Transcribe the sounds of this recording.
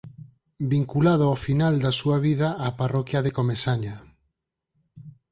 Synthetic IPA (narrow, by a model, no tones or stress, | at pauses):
biŋkulaðʊafinald̪asuaβiðaʔaparɔkjaðekomesaɲa